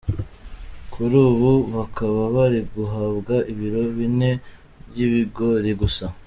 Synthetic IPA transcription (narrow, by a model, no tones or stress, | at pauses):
kʰuɾuːβuβakaβaβaɾiɡuɦabɡaʔiβiɾo̞βine̞ | bjiβiɡo̞ɾeɡusa